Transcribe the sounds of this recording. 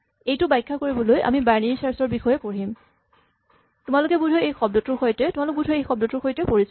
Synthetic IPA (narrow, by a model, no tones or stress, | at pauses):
ejtʊbajkʰːakoɹibɔlojʔa̰mibaɹnisaɹsɔɹbixɔjɛpoɹim | tʊmalʊkɛbudʱɔejxɔb̚dɔtʊɹxojtɛtumalʊk̚budʱɔejxɔb̚dɔtʊɹxojtɛpoɹis